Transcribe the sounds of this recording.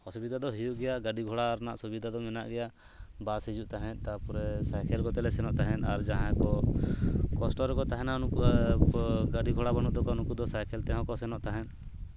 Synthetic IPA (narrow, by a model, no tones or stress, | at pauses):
hɔsubid̪ʱad̪ɔɦijuʔɡɛjaɡaɖiɡʱɔɽaːɾnaʔsubid̪ʱad̪ɔmɛna̰ʔɡɛja | basid͡ʒuʔt̪aɦɛ̃n̚ˀt̪apɔɾɛsajkʰɛlkɔt̪ɛlɛsɛnɔʔt̪aɦɛnaɾd͡ʒaɦãkɔ | kɔsʈɔɾɛkɔt̪aɦɛnanuku | ɡaɖiɡʱɔɽabanuʔd̪ɔkɔnukud̪ɔsajkʰɛlt̪ɛɦɔ̃kɔsɛnɔʔt̪aɦɛn